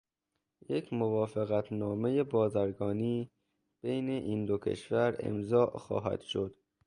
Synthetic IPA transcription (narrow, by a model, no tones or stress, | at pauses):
jekʰmovɒːfeɣæt̪ʰnɒːme̞jebɒːzæɾɡɒːniː | b̥ejneʔiːnd̪okʰe̞̰ʃvæɾḛmzɒːʔxɒ̰ːɦæ̰d̪̥ʃod̪̥